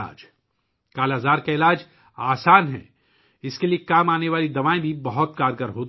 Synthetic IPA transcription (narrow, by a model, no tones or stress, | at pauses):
a̰ːd͡ʒ | kaːlazaːɾkaɪlaːd͡ʒ | aːsaːnɦɛ̰ | ɪskeliekaːmaːneʋaːlid̪ɐʋaːẽbʱibɐɦʊt̪kaːɾɡəɾɦoːt̪